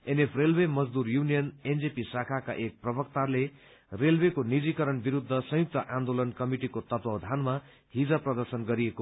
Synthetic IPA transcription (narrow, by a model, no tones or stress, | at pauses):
enepʰrelwemʌd͡zd̪uɾjunijʌnend͡zepisakʰaka̰ʔek̚prʌbʌkt̪ale | relbekonid͡zikʌɾʌnbiɾud̪ʱːʌsʌ̃juk̚t̪ʌʔand̪olʌnkʌmiʈikot̪ʌt̪wʌwd̪ʱanma | ɦid͡zaprʌd̪ʌrsʌnɡʌɾieko